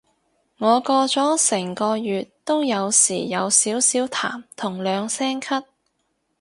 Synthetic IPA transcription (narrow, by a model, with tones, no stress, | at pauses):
ŋɔː˨˧kɔː˧t͡sɔː˨˥sɛː˨˩ŋkɔː˧jyː˨tt̪o˥wjɐ˨˧wsḭː˨˩jɐ˨˧wsiː˨˥wsiː˨˥wt̪ʰa̰ː˨˩mt̪ʰʊ˨˩ŋlœː˨˧ŋsɛː˥ŋkʰɐ˥t̚